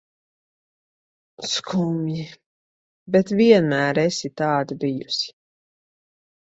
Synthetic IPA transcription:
skʰumji | bɛt̪viɛnmæːɾɛsit̪aːd̪abijusi̥

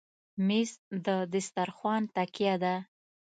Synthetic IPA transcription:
mesd̪əd̪ɪst̪aɾxwɑnt̪akjad̪a

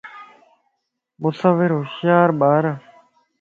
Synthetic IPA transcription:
mʊsaʋɪɾɦʊʃjaːɾɓaːɾaː

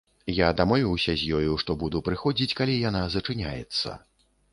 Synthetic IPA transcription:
jad̪amɔvʲiwsʲɐzʲjɔjuʂt̪ɔbud̪upɾɨxɔd͡zʲit͡sʲkalʲijanazɐt͡ʂɨnʲajɛ̰t̪sːɐ̰

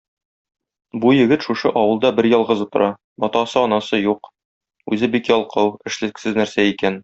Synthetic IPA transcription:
bujɘ̆ɡɘt̪ʃuʃɤʔɒwɤ̆lˠd̪ɑbɘɾjɒlˠʁɤzut̪ŏɾʔɑ | mɒt̪ɑsɤɒnɑsɤjuq | ʉ̰zɘbikjɒlˠqɤwɘ̆ʃlɘ̆ksɘznæɾsæikæn

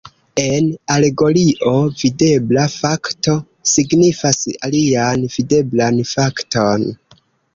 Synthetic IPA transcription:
e̞nale̞ɡo̞ɾiʔo̞vide̞blafakto̞ | siɡnifasa̰lianv̥ide̞blanfakto̞n

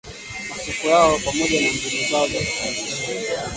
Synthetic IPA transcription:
masikujaɔpamɔʄanambulizazɔ

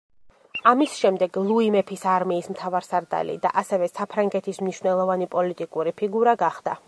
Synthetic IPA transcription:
amisʃɛmd̪ɛɡlˠuimɛpʰisaɾmiːsmt̪ʰavaɾsaɾd̪a̰lḭd̪a̰ʔasɛvɛsapʰɾaŋɡɛt̪ʰismniʃwnɛlˠɔvanipʼɔlit̪ʼikʼuɾipʰiɡuɾaɡaχd̪a̰

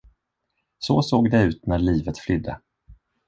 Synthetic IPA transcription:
soːsoːɡd̪ɛʉ̟ːt̪næɾɭiːvət̪flʏd̪ːə̰

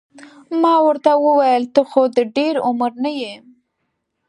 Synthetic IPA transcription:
mɑwəɾt̪awəwajəlt̪əxod̪əɖeɾʊməɾnajem

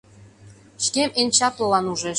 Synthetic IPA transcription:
ɕkʲemenʲt͡ɕɑklɤ̆lɑnuʒeʃ

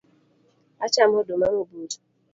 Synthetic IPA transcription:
at͡ʃam̩ɦʊdomaŋʷʊbud͡ʒu̥

